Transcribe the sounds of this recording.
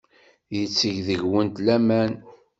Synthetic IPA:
jət͡sːəʝðəʝwənt̪læmæn

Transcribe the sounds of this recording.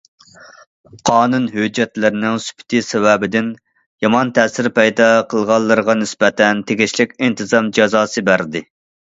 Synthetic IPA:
qʰɑːnunɦød͡ʒːɛt̪lɪɾɪnɪŋsy̥pʰɪ̥t̪ʰɪsɛwɛbɪd̪ɪn | jɑmɑnt̪ʰɛːsɪɾpʰɛjd̪ɑqʰəlˠʁɑlˠːɨɾəʁɑnɪsbɛt̪ʰɛnt̪ʰeɡʲiʃlɪkʲint̪ʰɨzɑmd͡ʒɑzɑːsɨbæɾd̪ɪ

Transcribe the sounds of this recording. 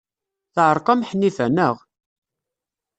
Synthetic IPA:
θʕəɾˤqɑmħnːifænəʁ

